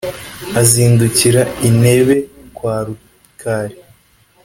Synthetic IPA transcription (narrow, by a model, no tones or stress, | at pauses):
aziːnduciɾaine̞βe̞kwaːɾu | kʰaːɾe